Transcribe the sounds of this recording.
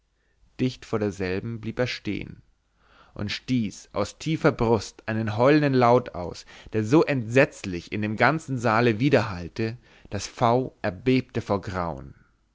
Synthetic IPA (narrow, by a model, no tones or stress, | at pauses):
d̥ɪçtfoːɐɾeːɐzɛlbm̩bliːpeːɐʃtḛːə̰n | ʔʊ̰ntʃtiːsʔa̰ʊstʰiːfɐbʁʊstʔaɪnənɦɔʏləndənlaʊta̰ʊsd̥eːɐzoːʔɛntz̥ɛt͡slɪçɪ̰ndeːmɡant͡sn̩zaːləviːdɐhaltə | d̥asfaʊʔɛɐbeːp̚təfoːɐɡʁaʊən